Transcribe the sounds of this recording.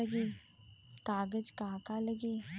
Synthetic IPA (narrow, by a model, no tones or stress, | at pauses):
əɡiː | kaːɡəd͡ʒkaːkaləɡiː